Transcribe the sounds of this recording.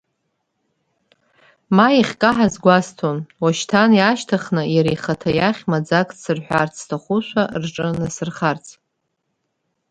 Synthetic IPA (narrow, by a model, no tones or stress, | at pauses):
majiχʲkʼaħazɡʷastʰonwaʃtʰanjaʃtʰaχnɨjaɾijχatʰajaχʲmad͡zakʼsɨrħʷᶣart͡sʰʼstʰaχʷʊʃʷarʈ͡ʂʼɨnasɨrχart͡sʰʼ